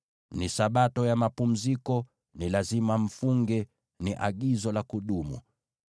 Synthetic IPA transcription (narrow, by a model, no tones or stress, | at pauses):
nisaɓatɔjamapum̩zikɔ | nilazimam̩fuŋɡɛ | niʔa̰ɡizɔlakuɗumṵ